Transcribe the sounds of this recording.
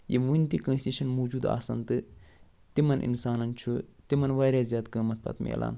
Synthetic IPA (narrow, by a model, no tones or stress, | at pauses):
jḛmuint̪ikɐ̃nsʲtiʃɐnmoːd͡ʒuːd̪a̰ːsɐ̰nt̪ɨ | t̪imɐnʔḭnsaːnɐnt͡ʃʰut̪imɐnʋaːɾjaːzʲjaːt̪ɡəːmɐt̪̚pʰɐ̰t̪mḛːlʔa̰ːn